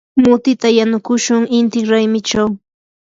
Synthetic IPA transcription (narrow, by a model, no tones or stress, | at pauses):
mʊt̪ɪt̪ajanʊkʊʃʊŋɪnt̪ɪŋɾajmɪt͡ʃaw